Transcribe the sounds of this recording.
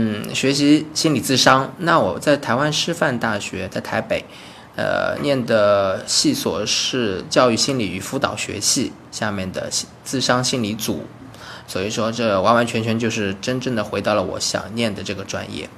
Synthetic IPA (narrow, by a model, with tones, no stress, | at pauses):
n̩˥˩ɕɥɛ˧˥ɕi˧˥ɕi˥nli˨˩t͡sɹ̩˥˩ʂɑ˥ŋna˥˩wɔ˨˩t͡sa˥˩ɪt̪ʰa˧˥ɪwa˥nʂɻ̩˥fa˥˧nt̪a˥˩ɕɥɛ˧˥t͡sa˥˩ɪt̪ʰa˧˥ɪpe˨˩˦ɪ | ə̰˧njɛ˥˩nd̪ə˩ɕi˥˩swɔ̰˨˩ʂɻ̩˥˧t͡ɕjɑ˥˧ʊy˥˩ɕi˥nli˨˩y˨˩fu˧˥t̪ɑ̰˨˩ʊɕɥɛ̰˧˥ɕi˥˩ | ɕja˥˧mjɛ˥˩nd̪ə̰˩˥t͡sɹ̩˥˩ʂɑ˥ŋɕi˥˩nli˧˥t͡sṵ˨˩˦ | swɔ˧˥i˨˩ʂwɔ˥ʈ͡ʂɤ˥˩wɑ˧˥nwa˧˥nt͡ɕʰɥɛ˧˥nt͡ɕʰɥɛ˧˥nt͡ɕjo˥˧ʊʂɻ̩˥˩ʈ͡ʂə˥nʈ͡ʂɤ˥˩ŋd̪ə˩xwe˧˥ɪt̪ɑ˥˩ʊlə˩wɔ̰˧˥ɕjɑ̰˨˩ŋnjɛ˥˩nd̪ə˩ʈ͡ʂɤ˥˩ɡə˩ʈ͡ʂwa̰˥njɛ̰˥˩